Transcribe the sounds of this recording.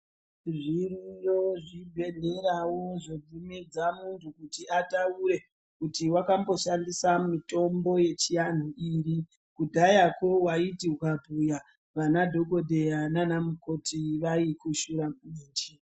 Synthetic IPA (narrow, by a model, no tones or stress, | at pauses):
ʐirijoʐibʱe̞ɮe̞ɾawo̞ʐob͡vumid͡zamuntʰukutiatauɾe̞ | kutiwakambo̞ʃandisamito̞mbo̞je̞t͡ʃijan̤uiri | kudʱajako̞waitiukabʱuja | ʋanadʱo̞ɡodʱe̞jananamuko̞tiʋaikuʃuɾakuiːnd͡ʒi